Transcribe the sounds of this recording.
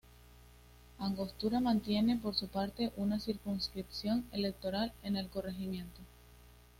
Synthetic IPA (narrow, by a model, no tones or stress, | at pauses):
aŋɡo̞st̪uɾamãnt̪je̞ne̞po̞ɾsupaɾt̪e̞ʔunasiɾkunskɾipsjo̞ŋe̞le̞k̚t̪o̞ɾale̞ne̞lko̞re̞ximjẽ̞nt̪o